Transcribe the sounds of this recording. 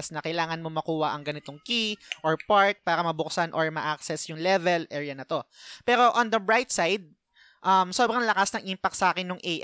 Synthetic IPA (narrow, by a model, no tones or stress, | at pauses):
snɐkɐjlaːŋɐnmo̞mɐkuːhɐʔɐŋɡɐnɪt̪o̞ŋkiʔoɹpaɹt̪̚paːɾɐmɐbʊksanʔoɹmɐʔak̚sɛsjʊŋlɛvɛlʔɛːɹjɐnɐt̪o̞pɛːɾo̞ʔond̪ɐbɹajt̪̚sajd̪̚ | ʔɐmsobɾɐŋlɐkasnɐŋʔimpɐk̚t̪sɐʔaːkɪnːʊŋʔɛjʔ